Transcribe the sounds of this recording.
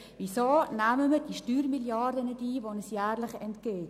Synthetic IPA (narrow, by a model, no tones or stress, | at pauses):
visoːnæməməd̥iʃtyːɾmiljɑdənɛdiːʋonɛsjæːrlɪχɛntkeːt